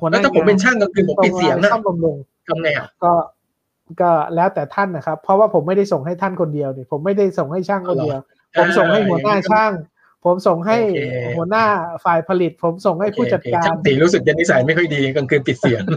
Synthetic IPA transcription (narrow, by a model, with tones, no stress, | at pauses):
hu˩˦˧pʰo˩˦pe˧nt͡ɕʰaː˥˩ŋka˧ŋkʰɯ˧˨˦t̪o˧˨˧t̪̚si˨˦˧ŋʰ˦˥a˥˩mba˧mlu˧ŋ | kʰa˧˥mŋa˧˩˨kɔː˥˩ | kɔː˥˩lɛː˦˥wt̪ɛː˨˩t̪ʰa˥˩nːa˨˩kʰa˦˥pʰːɾɔ˦˥waː˥˩pʰo˩˦mːa˥˩jda˥˩jso˨˩ŋɦa˥˩jt̪ʰa˥˩nkʰo˧ndi˧əwniː˧˥˩pʰo˩˦mːa˥˩jda˥˩jso˨˩ŋha˥˩jt͡ɕʰaː˥˩ŋkʰɔ˧˥˩di˧əw | pʰo˩˦mso˨˩ŋɦa˥˩jɦu˩˦ɐnaː˥˩t͡ɕʰaː˥˩ŋ | pʰo˩˦mso˨˩ŋɦa˥˧˩jhu˩˦ɐnaː˥˩faː˨˩jpʰa˧li˨˩t̪̚pʰo˩˦mso˨˩ŋha˥˩jpʰuː˥˩t͡ɕa˨˩t̪kaː˧˩nsi˨˩˦ɾuː˦˥sɯ˨˩k̚ja˧nːi˦˥sa˨˩˦jma˥˩jkʰɔ˥˩jdiː˧˦ka˧ŋkʰɯː˧npi˨˩t̪̚si˨˩˦ŋ